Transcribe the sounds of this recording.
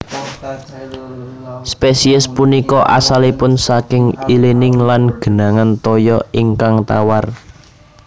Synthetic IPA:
spesiɪspunikɔʔa̰salipʊnsakɪŋilenɪŋlanɡ̥ə̤naŋant̪ɔjɔiŋkaŋt̪a̰war

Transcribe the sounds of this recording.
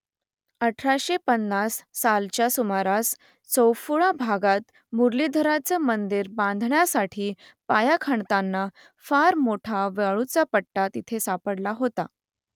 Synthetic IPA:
əʈʰɾaɕepənːasːalt͡ɕjasumaɾas | səwfuɭabʱaɡat̪ | muɾlid̪ʱəɾat͡səmənd̪iɾbãnd̪ʱɳjasaʈʰiː | pajakʰəɳt̪anːa | faɾmoʈʰaʋeɭut͡sapəʈːat̪it̪ʰesapəɽlaɦot̪a̰

